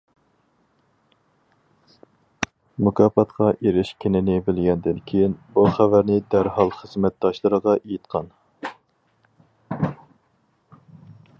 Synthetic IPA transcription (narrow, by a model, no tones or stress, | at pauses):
mukʰɑːfɑt̪qɑʔeɾɪʃkʲʰenɪnɪbɪlɡʲɛnd̪ɪnkʲʰejinbuχævæɾnɪd̪æɾhɑlˠχəzmɛt̪̚d̪ɑʃlˠɨɾəʁɑʔejit̪̚qʰɑn